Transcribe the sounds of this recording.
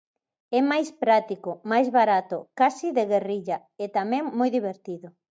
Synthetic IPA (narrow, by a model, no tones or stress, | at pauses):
ɛmajspɾat̪ikʊmajzβaɾat̪ʊkasiðeɣeriʎa | et̪amɛ̃ŋmojðiβ̞eɾt̪iðʊ